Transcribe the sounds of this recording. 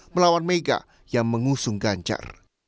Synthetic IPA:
məlawanmeɡa̰ | jaŋməŋusʊŋɡaɲt͡ʃa̰r

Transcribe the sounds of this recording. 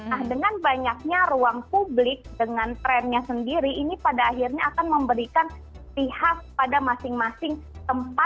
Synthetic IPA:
nahdəŋanbaɲak̚ɲaɾuaŋpublɪk̚dəŋant̪ɾɛnɲasəndiɾiʔinipadaːɦirɲaːkanməmbəɾikan | pihak̚padamasɪŋmasɪŋt̪əmpa

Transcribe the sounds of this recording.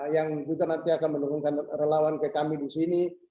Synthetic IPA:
jaŋd͡ʒuɡanant̪iakanmənukuŋkanrəlawankəkamidisini

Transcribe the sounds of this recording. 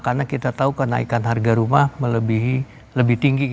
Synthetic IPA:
karnakit̪at̪aukəna̰ikanɦarɡaɾumahmələbiɦi | ləbɪht̪iŋɡik

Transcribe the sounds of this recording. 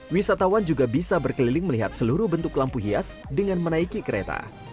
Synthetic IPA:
wisat̪awand͡ʒuɡabisabərkəlilɪŋməliɦa̰t̪̚səluɾuhbənt̪ʊklampuɦiasdəŋanmənaikikəɾḛt̪a̰

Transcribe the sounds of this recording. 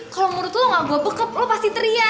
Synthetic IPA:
kalɔmuɾʊt̪ulɔŋaɡuabəkəp̚lopast̪it̪əɾia

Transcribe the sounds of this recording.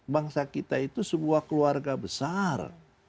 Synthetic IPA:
baŋsakit̪ait̪usəbuakəluarɡabəsar

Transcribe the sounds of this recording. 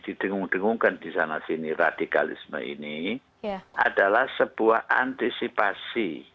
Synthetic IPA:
d̥id̥əŋuŋd̥əŋuŋkand̥isanasinirad̥ika̰lḭsmə̰ʔḭni | ʔa̰d̥alahsəb̥uahant̪isipasi

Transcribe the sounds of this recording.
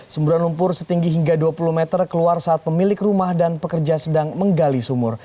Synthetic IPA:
səmbuɾanlumpʊrsət̪iŋɡiɦiŋɡaduapuluhmɛt̪ərkəluarsaːt̪̚pəmilɪkrumahdanpəkərd͡ʒasədaŋməŋɡalisumʊr

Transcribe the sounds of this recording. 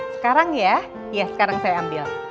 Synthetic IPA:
sə̥kaɾaŋja | jasə̥kaɾaŋsajaːmbɪl

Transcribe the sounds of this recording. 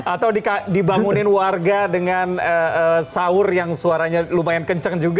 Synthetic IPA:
at̪awdikadibaŋunɪnwarɡadəŋanəəsaʊrjaŋsuaɾaɲalumajankəɲt͡ʃəŋd͡ʒuɡa

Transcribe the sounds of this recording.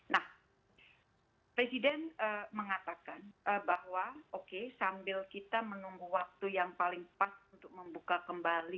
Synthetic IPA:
nah | pɾesidɛnəməŋat̪akanʔəbaɦwaokesambɪlkit̪amənuŋɡuwak̚t̪ujaŋpalɪŋpasunt̪ʊk̚məmbukakəmbali

